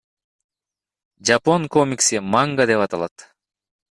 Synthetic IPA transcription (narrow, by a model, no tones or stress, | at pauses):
d͡ʒapo̞ŋko̞mʲiksimaŋɡad̪e̞pɑt̪ɑlˠɑ̰t̪